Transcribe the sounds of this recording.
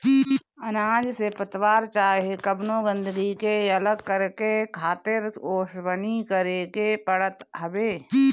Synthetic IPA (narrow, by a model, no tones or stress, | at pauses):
ənaːd͡ʒsepət̪waːɾt͡ʃaːɦekəbnõɡə̃nd̪əɡikeələɡkəɾkekʰaːt̪ɪɾoːʃbənikəɾekepəɽət̪ɦəbeː